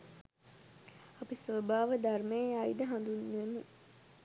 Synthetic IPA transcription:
apisʋobaːʋəd̪armejeaid̪əɦãnd̪unːʋene

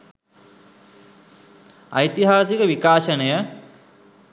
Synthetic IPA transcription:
ɐ̰jt̪iɦaːsikəʋikaːʃɐnɐjə

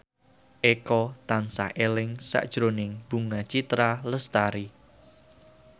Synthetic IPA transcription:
ʔekɔt̪ansa̰ʔelɪŋsa̰ʔd̥ʒ̥ɾonɪŋb̥uŋat͡ʃit̪ɾaləst̪aɾi

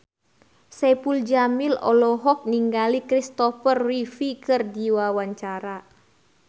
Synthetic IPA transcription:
sɛpuld͡ʒamilɔ̰lɔɦɔk̚niŋɡalikɾist̪ɔfərwifikɨrdiwawaɲt͡ʃaɾa

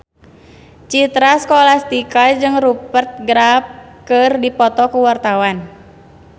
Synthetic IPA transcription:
t͡ʃit̪ɾaskolast̪ikad͡ʒɨŋɾupərt̪̚ɡɾap̚kɨrdipɔt̪ɔkuwart̪awan

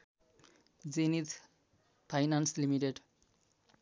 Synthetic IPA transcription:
zenit̪ | pʰajnanslimiʈeɖ

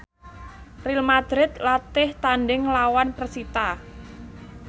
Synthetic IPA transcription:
rilmad̪̥ɾɪt̪lat̪ɪht̪anɖɪŋlawanpərsit̪a

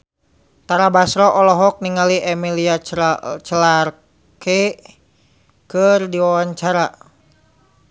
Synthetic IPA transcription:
t̪aɾabasɾɔʔɔlɔɦɔk̚niŋaliʔɛmiliat͡ʃəlar | ke | kɨrdiwawaɲt͡ʃaɾa

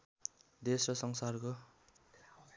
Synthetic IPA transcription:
d̪esrʌsʌŋsarko

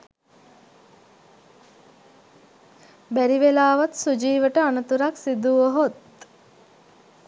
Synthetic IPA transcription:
bæɾiʋelaːʋat̪sud͡ʒiːʋəʈəanət̪uɾaksid̪uʋəɦot̪

